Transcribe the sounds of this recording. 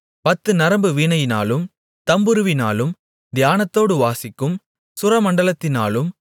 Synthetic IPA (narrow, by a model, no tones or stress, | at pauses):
pɐt̪ːɯnɐɾɐmbɯʋiːɳɐjɪna̰ːlɯm | t̪ɐmbɯɾɯʋɪnaːlɯm | d̪ɪjaːnɐt̪ːoːɽɯʋaːsɪkːɯm | sʊɾɐmɐɳɖɐlɐt̪ːɪnaːlɯm